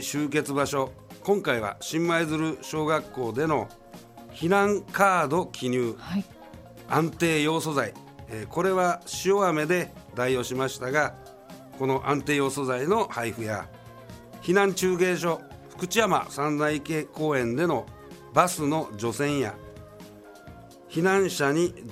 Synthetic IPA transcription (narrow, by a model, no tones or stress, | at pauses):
ɕɨːke̞t͡sɨbaɕo̞ | kõ̞ŋkaiβa̰ɕĩmːaizɨɾɯ̟ɕo̞ːɡakːo̞ːd̪e̞no̞ | çinãŋkaːd̪o̞kʲʰiɲ̟ʲɨː | ãnt̪e̞ːjo̞ːso̞zai | ko̞ɾe̞βaɕio̞ame̞d̪e̞ | d̪aijo̞ɕimaɕi̥t̪aɡa | ko̞no̞ʔãnt̪e̞ːjo̞ːso̞zaino̞haiɸɯ̟ja̰ | çinãɲt͡ɕɨːɡe̞ːɕ̬o̞ɸɯ̟̥kɯ̟t͡ɕijama̰sãnzaike̞ːko̞ːẽ̞nd̪e̞no̞ | basɨno̞d͡ʑo̞sẽ̞ɰ̃ja̰ | çinãɰ̃ɕaɲ̟i